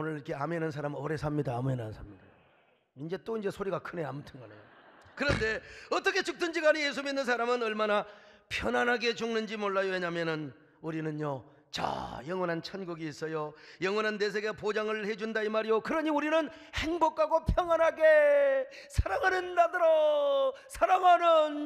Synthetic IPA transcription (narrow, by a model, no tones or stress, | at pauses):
onɯɾiɾkʰe̞amenɯns̬ʰaɾamʌɾe̞sʰamɲidaːmuɦenɯnsʰamɲidao | ind͡ʑe̞t͈oind͡ʑe̞sʰoɾiɡakʰɯne̞a̰mutʰɯnɡʌnḛjokɯɾʌnde̞ʌt͈ʌkʰe̞t͡ɕɯk̚t͈ɯnd͡ʑiɡaɲijes̬ʰuminːɯnsʰaɾamɯnʌɭmana | pʰjʌnanɦaɡe̞d͡ʑuŋnɯnd͡ʑimoɭːajoeɲamjʌnɯn | uɾinɯnjo | t͡ɕa̰jʌŋwʌnɦant͡ɕʰanɡuɡiːs͈ʌjojʌŋwʌnɦanːes̬ʰeɡepod͡ʑaŋɯɭhe̞d͡ʑundaimaɾijokɯɾʌɲiuɾinɯn | he̞ŋbokʰaɡopʰjʌŋwanɦaɡe | sʰaɾaŋɦanɯndadɯɾʌ | sʰaɾaŋɦanɯn